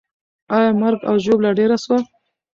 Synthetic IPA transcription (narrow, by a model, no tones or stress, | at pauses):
ɑjɑmaɾɡa̰wʒoblaɖeɾaswa